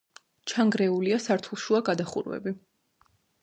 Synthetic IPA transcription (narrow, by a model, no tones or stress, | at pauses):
t͡ʃʰaŋɡɾɛuliasaɾt̪ʰulˠʃuaɡad̪aχṵɾwɛ̰bi